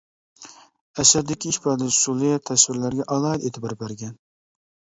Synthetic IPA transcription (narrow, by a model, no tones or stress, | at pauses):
ɛsæld̪ɪkʲʰiːʃpɑd̪ɪsulˠɪjɛt̪ʰɛswɪɾlæɾɡʲɛʔɑlˠɑd̪et̪ʰɪbɑɾbæɾɡʲɛn